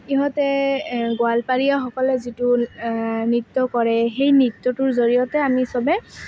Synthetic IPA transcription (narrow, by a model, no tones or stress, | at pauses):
iɦɔtɛɡoalpaɹijaxɔkɔlɛzitu | nitːɔkɔɹɛxejnitːɔtʊɹzoɹijɔtɛamisɔbɛ